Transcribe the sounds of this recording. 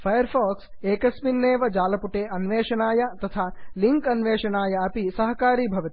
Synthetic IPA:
fʰɐjɐɾpʰaːks | eːkɐsminːeːʋɐd͡ʒaːlɐpuʈeːʔɐnʋeːʃɐnaːjɐt̪ɐt̪ʰaːliŋkɐnʋeːʃɐnaːjɐɐpisɐɦɐkaːɾiːbʱɐʋɐt̪i

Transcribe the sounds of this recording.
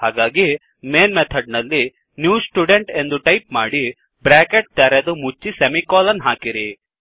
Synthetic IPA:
haːɡaːɡi | meːnmet̪ʰɐɖ̚nɐlːi | njuːsʈuɖeɳʈe̞nd̪uʈɐjp̚maːɽi | bɾaːkeʈ̚t̪ɛɾed̪umut͡ʃːisemikoːlɐnɦaːkiɾi

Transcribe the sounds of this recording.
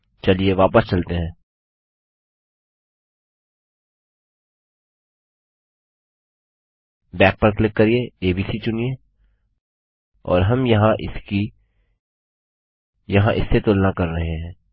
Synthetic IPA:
t͡ʃɐlieʋaːpəst͡ʃɐlt̪eɦɛ̃ː | bɛːk̚pɐɾklɪkːɐɾieeːbiːsit͡ʃʊnie | ɔ̰ːɾɦɐmjɐɦãʔɪ̰ski | jɐɦãʔɪ̰sːet̪ʊlnakɐɾːɐɦeɦɛ̃ː

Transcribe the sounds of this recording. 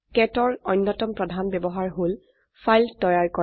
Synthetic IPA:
kɛtɔɹɔjnːɔtɔmpɹɔdʱanbɛbɔɦaɹɦol | fʰajltɔjaɹkɔ

